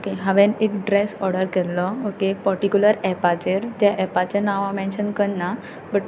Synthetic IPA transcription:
okeɦãʋɛ̃niʈɖɾɛsɔɾɖəɾkɛtlɔokeːk̚pəɾʈikjuləɾɛpat͡ɕeɾd͡ʑaʔɛpat͡ɕenaʋãmɛ̃nʃənkənːa | bəʈ

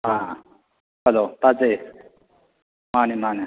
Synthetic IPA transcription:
ɦãː | ɦəlot̪at͡se | maːnimaːni

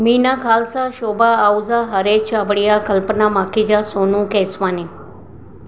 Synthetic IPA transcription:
miːnakʰaːlsaʃoːbaːwuzaɦəɾeːt͡ʃabəɽijakəlpənamaːkid͡ʒasoːnũkeːsʋaːni

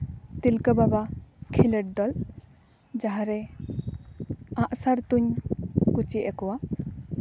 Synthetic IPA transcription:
t̪ilkəbabakʰiləʈ̚d̪ɔl | d͡ʒaɦaɾɛ | aʔsaɾt̪uɲkut͡ʃiʔɛkɔwa

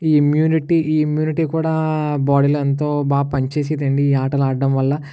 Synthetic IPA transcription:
iːimjuːniʈiʔiːimjuːniʈiːkuːɽaːbaːɽilɐnt̪̬oːbaːpɐɲt͡ʃe̞ːs̬iːd̪ɐɳɖiːaːʈɐlaːɐmʋɐlːɐ

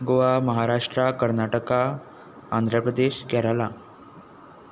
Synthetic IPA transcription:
ɡoʋaməɦaɾaʂʈɾakəɾnaʈəkaː | nd̪ʱɾəpɾəd̪eɕɡɛɾəla

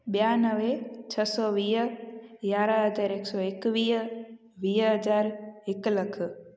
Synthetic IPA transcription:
bjanəʋet͡ʃʰəsɔʋiː | ɡaɾəɦəd͡ʒaɾeksɔekʋiːɦ | ʋiːɦəd͡ʒaːɾekləkʰ

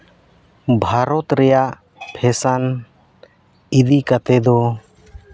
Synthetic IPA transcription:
bʱaɾɔt̪ɾɛjaʔ | pʰɛsan | id̪ikat̪ɛd̪ɔ

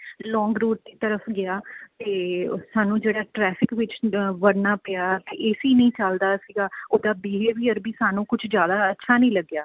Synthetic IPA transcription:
lɔːŋɡɾuːʈ̚d̪iːt̪əɾəfɡɪaːt̪eːsaːnũːd͡ʒeːɽaːʈɾɛːfʰɪkʋɪt͡ʃʋəɽnaːpɪjaːt̪eːʔeːsiːnəĩːt͡ʃəld̪aːsiːɡaːoːd̪aːbɪɦeːʋiːəɾbiːsaːnũːkʊt͡ʃʰd͡ʒjaːd̪aːətːʃʰaːnəĩːləɡːjaː

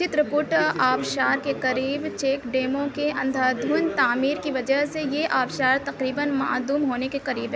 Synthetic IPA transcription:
t͡ʃɪt̪ɾəpʊʈaːbʃaːɾkeqɐɾiːbt͡ʃeːkɖeːmõkeɐ̃nd̪ʱad̪ʱuːnt̪aːmiːɾkiʋɐd͡ʒəɦsejeʔaːbʃaːɾt̪ɐqɾiːbənma̰ːd̪uːmɦoːnekeqɐɾiːbɦɛ

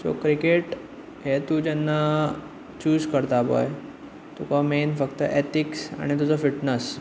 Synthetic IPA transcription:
d͡zo̰kɾikeʈ | ɦet̪ud͡ʑɛnːa | t͡ɕuːd͡zkəɾt̪abə̰j | t̪ukamenfəkt̪əʔet̪iksa̰ɽ̃it̪̬ud͡zəfiʈnəs

